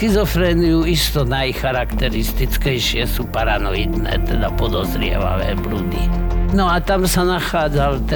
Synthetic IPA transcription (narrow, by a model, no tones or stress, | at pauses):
kizɔfɾɛːnijuist̪ɔnajxaɾakt̪ɛɾist̪it͡skɛjʃɪɛsuːpaɾanɔjid̪nɛ̰ːt̪ɛd̪apɔd̪ɔzɾɪɛ̰ʋa̰ʋɛ̰ːblud̪inɔat̪amsanaxaːd͡zalt̪ɛ